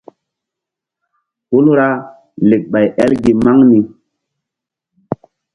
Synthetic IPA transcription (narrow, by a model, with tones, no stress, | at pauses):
ku˦lɾa˦ | le˨k̚ɓa˨jʔɛ˦lɡi˨ma˦ŋni˨